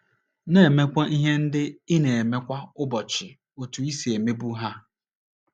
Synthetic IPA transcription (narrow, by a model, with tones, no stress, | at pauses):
ne˨e˨me˦kʷa˦ʔi˦ɦe˦n̩˦dɪ˦ɪ˦ne˨e˨me˦kʷa˦ʊ˦bɔ˨t͡ʃɪ˨ | o˨tu˨i˦si˨e˨me˦bu˦ɦa˦